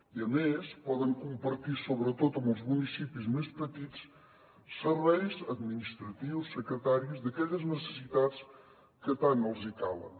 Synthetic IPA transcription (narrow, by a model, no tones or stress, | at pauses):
iɐmeʃpɔðɐ̃ŋkũmpɐɾt̪iɾsoβɾət̪oðum̃wzmunisipiuzmeʃpət̪it̪u̥s | səɾβɛjzɐðminiʃt̪ɾɐt̪ivusːɨkɾət̪aɾjuzðɐkɛʎɐznəsəsiðad̪s | kɨt̪anɐlˠzik̪alˠɐ̰